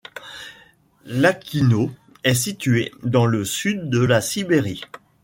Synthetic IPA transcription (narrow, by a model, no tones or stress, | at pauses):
lakʲʰino | ɛs̬it̪yed̪ɑ̃ləsyd̪ːəlasibeʁi